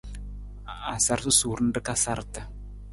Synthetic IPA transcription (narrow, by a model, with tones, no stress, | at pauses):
a˨sa˦ɾsɨ˦suː˨ɾn̩˦dɨ˦ka˦sa˦ɾtɨ˨